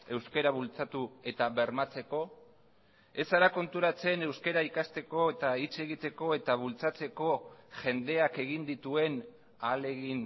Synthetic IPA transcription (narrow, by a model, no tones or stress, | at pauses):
e̞wske̞ɾaβult͡sat̪ue̞t̪aβe̞ɾmat͡se̞ko̞ | e̞saɾako̞nt̪uɾat͡se̞ne̞wske̞ɾaikast̪e̞ko̞et̪ait͡se̞ɣit̪e̞ko̞e̞t̪aβ̞ult͡sat͡se̞ko̞ʝe̞nd̪e̞ake̞ɣ̞ind̪it̪ue̞n | ale̞ɣin